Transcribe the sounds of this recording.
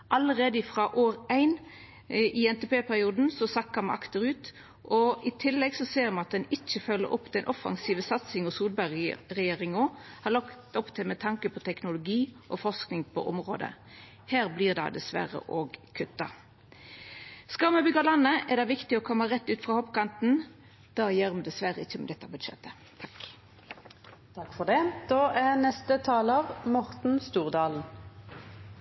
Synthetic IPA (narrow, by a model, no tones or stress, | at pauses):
ʔɑləʁeːd̪əɪfʁɑʔoːɾæɪn | ʔɪɛnt̪ɛpeːpʰæʁɪuːd̪n̩sɔsɑkːɑmʔɑ̰kt̪əɾʉːt̪ | ʔɔɪt̪ʰɪlːɛɡsɔseːɾmɑɑt̪̚d̪ɛnɪt͡ʃːəfœlːə̰ɾɔpːd̪ɛnʔɔfɑ̰ŋsiːʋəsɑt̪sɪŋɔsuːlbæʁɛjeːʁɪŋohɑʁlɑkt̪ɔpt̪ʰɪlmɛt̪ʰɑŋkəpʰɔt̪ʰɛknʊlʊɡiːʔɔfɔʁsknɪŋpʰɔ̰ʔɔmʁo̰ːd̪ə̰ | hæːʁbliːʁd̪ɑ̰ɪd̪ɛsʋæ̰ʁə̰ʔoːɡkʰʉt̪ːɑ | skɑʁməbʏɡɑlɑnːəʔɛʁd̪ɑɪʋɪkt̪ɪɔkʰɔmːəʁɛt̪ːʉːt̪fʁɑhɔpːkɑnt̪n̩ | d̪̥ɑːjeʁmd̪ɛsʋæʁəɪçəmɛlɛt̪ːəbʉd̪ʃɛ̰t̪ʰːə | t̪ʰɑk | t̪ʰɑkfɔʁd̪ɛd̪̥oːʔæʁnɛst̪ət̪ʰɑːləʁmɔʁt̪n̩st̪uːʁd̪ɑːln̩